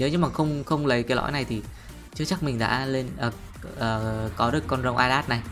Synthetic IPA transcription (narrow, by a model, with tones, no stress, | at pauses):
ɲəː˨˦ɲə˨˦maː˨˩xə˧wŋ͡mxə˧wŋ͡mlə˨˦jkaː˨˦lɔ̰˧˥jna˨˩jt̪ʰi˨˩ | t͡ɕɨ˦˥ək̚t͡ɕa˦˥k̚mï˨˩ŋ̟ɗa̰ː˧˥le˧nʔəː˨˩ | ʔəː˨˩kɔ˨˦ɗɨ˨˩əkːɔ˧nzə˨˩wŋ͡mʔaː˧jlaː˦˥t̚na˨˩j